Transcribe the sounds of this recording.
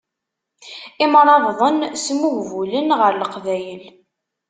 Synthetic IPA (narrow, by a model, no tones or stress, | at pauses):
imɾˤɑvðˤənsmuʝvulənʁəɾləqvæjəl